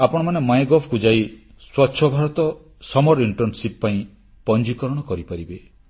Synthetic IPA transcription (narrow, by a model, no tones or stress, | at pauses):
apɔɽ̃ɔmanemajɡɔpʰkud͡ʒai | swɔtːʃʰɔbʱaɾɔt̪ɔ | sɔmɔɾiɳʈɔɾnsippaĩ | pɔnd͡ʒikɔɾɔɽ̃ɔkɔɾipaɾibe